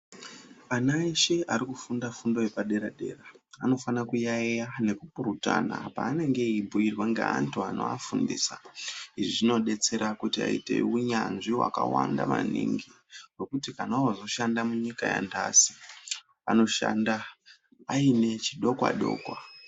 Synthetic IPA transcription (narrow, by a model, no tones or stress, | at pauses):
anaeʃe̞ʔaɾikufundafundo̞jepaɗe̞ɾaɗe̞̰ːraano̞fanakujaejane̞kupuɾuta̰na̰pa̰ːne̞ŋɡe̞ibʱuirwaŋɡḛantuano̰afundiːsaiʐiʐino̞ɗe̞t͡se̞ɾakutia̰itḛuɲanʐiwa̰kawandama̰nḭŋɡi | wo̞kutikanaozo̞ʃandamuɲikaja̰ndasi̥ | a̰no̞ʃa̰nda | aine̞t͡ʃiɗo̞kwa̰ɗo̞̰ːkwa